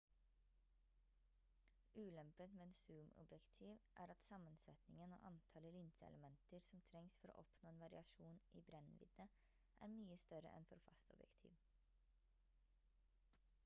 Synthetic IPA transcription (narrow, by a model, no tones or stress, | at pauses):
ʔʉːlɛmpət̪meːnsʉːmʊ̰bjɛkt̪ʰiːʋʔæ̰ːɾɑt̪sɑmənsɛt̪nɪŋəno̰ːʔɑnt̪ʰɑːləlɪnsəɛ̰ləmɛnt̪əɾsɔmt̪ʰɾɛŋsfɔɾo̰ːʔɔpnoːeːnʋɑɾɪɑʃuːnʔḭːbɾɛnʋɪ̰d̪nə | ʔæ̰ːɾmyːəst̪œɾə̰ʔɛ̰nfɔɾfɑ̰st̪ɔbjɛ̰kt̪ʰḭːʋ